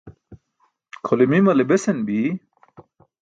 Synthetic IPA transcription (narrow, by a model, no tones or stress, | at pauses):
kʰolimimɐlebesenbi